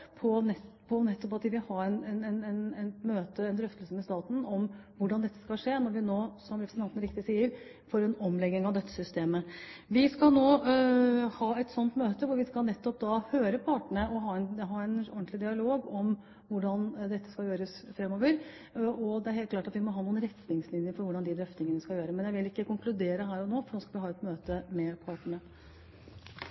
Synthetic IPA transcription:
pʰɔnɛ | pʰɔnɛt̪ːɔpɑt̪d̪ɪʋɪhɑɾɛnɛnɛnɛnɛnt̪møːt̪əɛnd̪ɾœft̪əlsəmɛst̪ɑːt̪n̩ɔmʋʊɖɑnd̪ɛt̪ːə̥skɑlʂeːnɔɾʋɪnoːsɔmɾɛpɾsənʰɑnt̪nəɾɪkt̪ɪsiːəɾ | foːɾɛnɔmlɛɡnɪŋɑʋd̪ɛt̪ːə̥sʏst̪eːməʋɪskɑlnoː | hɑːɛt̪sɔnt̪møːt̪əʋʊɾʋɪskɑlnɛt̪ːɔp̚d̪ɑhøːɾəpʰɑːʈəɳəʔɔɦɑːɛnɦɑːɛnɔɳt̪lɪd̪ɪɑloːɡɔm | ʋʊɖɑnd̪ɛt̪ːə̥skɑjøːɾəsfɾɛmːoːʋəɾ | ɔd̪ɛæɾheːlt̪klɑːʈɑt̪ʋɪmɔɦɑːnuːənɾɛt̪nɪŋslɪnjəɾfɔɾʋʊɖɑnd̪ɪd̪ɾœft̪ɪŋənəskɑjøːɾəmɛnjæɪʋɪlɪkːəkʊŋklʉd̪eːɾəɦæːɾɔnoːfɔɳoːskɑlʋɪhɑːɛt̪møːt̪əmɛpʰɑːʈəɳə

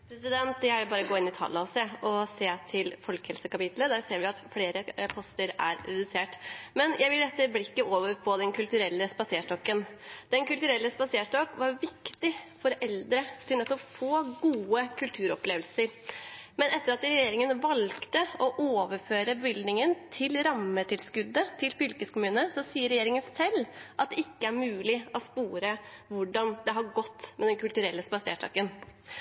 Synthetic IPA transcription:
pʰɾɛsɪd̪ɛnt̪̚d̪ɛæɖɛbɑːɾəɡoːɪnɪt̪ʰɑ̰ːlːɑseːɔseːt̪ʰɪlfɔlkhɛlsəkɑpɪt̪ləd̪æːɾseːɾʋɪɑt̪fleːɾəpʰɔst̪əɾæ̰ɾɾɛd̪ʉseːʈmɛnjʔæɪʋɪlɾɛt̪ːəblɪkːəʔoːʋəɾpʰɔd̪ɛnkʉlt̪ʉɾɛlːəspɑseːʂʈɔkːənd̪ɛnkʉlt̪ʉɾɛlːəspɑseːʂʈɔkʋɑɾʋɪkt̪ɪfɔɾɛld̪ɾət̪ʰɪlnɛt̪ːɔpfoːɡuːəkʰʉlt̪ʰʉːɾɔpleːʋəlsəɾmɛnɛt̪ːəɾɑt̪ɾɛjeːɾɪŋənʋɑlkt̪əɔʔoːʋəɾføːɾəbəʋɪld̪nɪŋənt̪ʰɪlɾɑmːət̪ʰɪlskʉd̪ːət̪ʰɪlfʏlkəskʊmʉːnəsɔsiːəɾɛjeːɾɪŋənsɛlːʔɑt̪̚d̪ɛɪkːəæɾmʉːlɪɔspuːɾəʋʊɖɑnd̪ɛɦɑɾɡɔt̪ːmɛd̪ɛnkʉlt̪ʉɾɛlːəspɑsḛːʈʰɑ̰ːkən

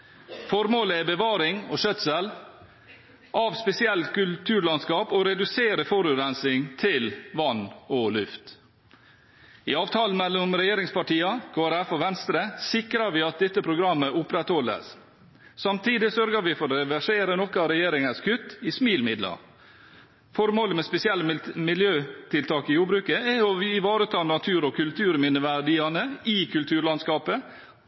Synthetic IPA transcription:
fɔɾmoːləæbəʋɑːɾɪŋoʃœt̪səl | ʔɑʋspɛsɪɛlt̪kʉlt̪ʰʉːɾlɑnskɑːpoɾɛd̪ʉseːɾəfɔɾʉɾɛnsɪŋt̪ʰɪlʋɑnːolʉft̪ | ɪ̰ɑːʋt̪ʰɑːlən̩mɛlːʊmɾɛjeːɾɪŋspɑʈiːɑkʰoːæɾæfoʋɛnst̪ɾəsɪkɾɑɾʋɪɑt̪̚d̪ɛt̪ːəpʰɾʊɡɾɑmːəʔʊpɾɛt̪hɔlːə̰s | sɑmt̪ʰiːd̪ɪsœɾɡəɾʋɪfɔɾɛʋæʂeːɾənɔkɑɾɛjeːɾɪŋəskʰʉt̪ːɪsmiːlmɪd̪lɑ̰ | fɔɾmoːləmɛspɛsɪɛlːəmɪljøːt̪ʰɪlt̪ʰɑːkɪjuːɾbɾʉːkəæɔɪʋɑːɾət̪ʰɑːnɑt̪ʰʉːɾɔkʰʉlt̪ʰʉːɾmɪnəʋæɖɪɑnəɪkʰʉlt̪ʰʉːɾɭɑnskɑːpə

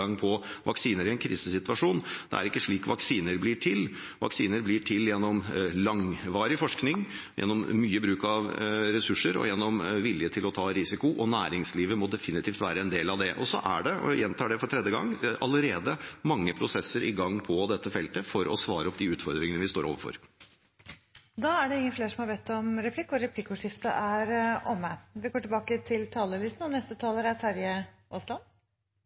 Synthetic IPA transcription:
ɑŋːpʰɔʋʔɑksiːnəɾɪɛnkʰɾiːsəsɪt̪ʉʋɑʂuːnd̪̥ɛ̰æ̰ɾɪkːəʂɭiːkʋɑksiːnəɾblɪːʈʰɪl | ʋɑ̰ksiːnəɾblɪʈʰɪljɛnːɔmlɑŋʋɑːɾɪfɔʂknɪŋ | jʔɛ̰nːɔmːyːəbɾʉːkɑʋɾɛsʉʂːəɾɔ̰jɛnːɔmʋɪljət̪ʰɪlɔt̪ʰɑːɾɪsɪkʊʔɔnæːɾɪŋsliːʋəmɔd̪ɛfɪnɪt̪ʰiːft̪ʋæ̰ːɾəɛnd̪eːlɑʋd̪ɛʔɔsɔ̰ʔæ̰ɖɛjɛnt̪ʰɑːɖɛfɔʈʰɾɛd̪jəɡɑ̰ŋːʔɑləɾeːd̪əmɑŋːəpʰɾʊsɛsːəɾʔɪɡɑŋːpʰɔd̪ɛt̪ʰːəfɛlt̪əfɔɾɔ̰sʋɑ̰ːɾəɔpd̪iʉːt̪fɔɾd̪ɾɪŋənəʋɪst̪o̰ːɾo̰ːʋəfɔ̰ɾ | d̪ɑæɖɛɪŋːənfleːʂɔmhɑɾbeːt̪ːɔmɾɛpʰlɪkːɔɾɛplɪkːʊʂɪft̪əʔæɾʔɔmːəʋɪɡoːʈɪlbɑːkət̪ʰɪlt̪ʰɑːləlɪt̪nɔnɛst̪ət̪ʰɑːləɾæt̪ʰæɾjə | ʔɔslɑn

